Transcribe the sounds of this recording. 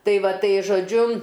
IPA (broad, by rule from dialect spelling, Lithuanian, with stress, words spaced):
ˈtɐɪ ˈʋɐ ˈtɐɪ ʒoːˈd͡ʒʲʊ